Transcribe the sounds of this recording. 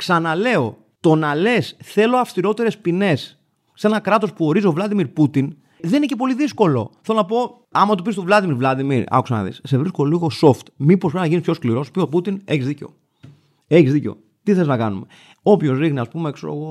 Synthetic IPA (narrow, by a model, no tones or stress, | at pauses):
ksɐnɐle̞o̞ | t̪o̞nɐle̞sθe̞lo̞ɐfst̪iɾo̞t̪e̞ɾe̞spine̞sː | e̞nɐkɾɐt̪o̞spuo̞ɾizovlɐd̪imiɾput̪in | ðe̞ninecepo̞liðisko̞lo̞̰θe̞lonɐpo̞ | ɐmɐt̪opist̪ovlɐðimiɾvlɐd̪imḭɾɐ̰fku̥sɐnɐ̰ðḭsse̞vɾiskooliɣo̞so̞ft̪mipopɾenɐʝinispçʰo̞skliɾo̞spioput̪ineçizðiceo̞̰ | e̞çizðiceo̞̰ | t̪iθeliznɐkɐnume̞ | o̞pço̞zɾixniɐspumeksoo̰ɣo